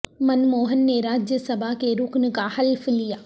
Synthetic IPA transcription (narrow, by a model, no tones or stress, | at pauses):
mɐnmoːɦənːeɾaːd͡ʒjəsɐbʱakeɾʊknkahɐlflijaː